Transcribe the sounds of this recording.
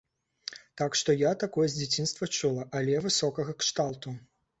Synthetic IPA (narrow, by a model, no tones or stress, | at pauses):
t̪akʂt̪ɔjat̪akɔjɛzʲd͡zʲat͡sʲinst̪vɐt͡ʂulˠɐʔɐlʲɛvɨsɔkɐɣɐkʂt̪alˠt̪u